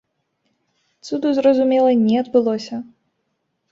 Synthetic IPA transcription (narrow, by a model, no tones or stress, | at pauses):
t̪sud̪uzrɐzumʲɛlˠɐnʲɛɐd̪bɨlˠɔsʲɐ